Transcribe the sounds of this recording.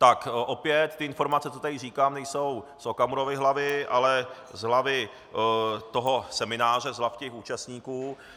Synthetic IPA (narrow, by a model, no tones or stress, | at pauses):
t̪akʔo̞pjɛt̪t̪ːɪɪnfo̞ɾmat͡sɛt̪ot̪aɪriːkaːmnɛjso̞wsokamuɾovɪɦlavɪʔalɛ | zɦlavɪ | t̪o̞ɦo̞sɛmɪnaːr̝ɛzɦlafcɛxuːt͡ʃast̪ɲiːkuː